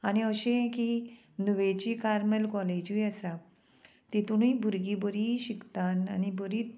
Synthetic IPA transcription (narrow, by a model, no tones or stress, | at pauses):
añiəɕẽẽki | nuʋet͡ɕikaɾmelkɔled͡ʑuəsa | t̪it̪uɽ̃uibʱuɾɡibəɾiɕikt̪ana̰nibəɾiːt̪